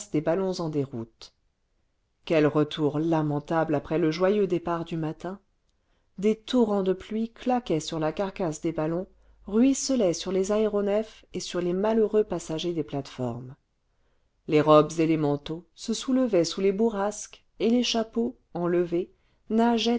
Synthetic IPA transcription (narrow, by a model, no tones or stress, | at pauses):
sd̪ebalɔ̃zɑ̃d̪eʁut̪ | kʲɛlʁət̪ʰuʁlamɑ̃t̪ablapχɛləʒwajød̪epaʁd̪ymat̪ɛ̃ | d̪et̪ɔʁɑ̃d̪əplɥiklakʲɛsyʁlakaʁkasd̪ebalɔ̃ | ʁɥisəlɛsyʁlezaeʁɔnɛf | esyʁlemaløʁøpasaʒed̪eplat̪fɔ̰ʁm | leʁɔbzelemɑ̃t̪osəsuləvɛsulebuʁask | eleʃapo | ɑ̃ləve | naʒɛ